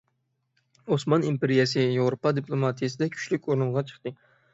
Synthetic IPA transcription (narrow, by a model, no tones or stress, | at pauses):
osmɑnimpeɾijɛsɨjewɾopɑd̪iplˠomɑt̪ʰijɛsɨd̪ɛkʲʰy̥ʃlykʲoɾnɨɴʁɑt͡ʃʰə̥χt̪ɨ